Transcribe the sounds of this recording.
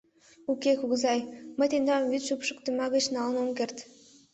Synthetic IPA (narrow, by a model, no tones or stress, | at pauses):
ukʲːekuɡzɑjmɘ̆t̪ʲend̪ɑmvʲyt̪ʃupʃɤ̆kt̪ɤ̆mɑɡə̆t͡ɕnɑlˠnumkʲĕrt̪ʲ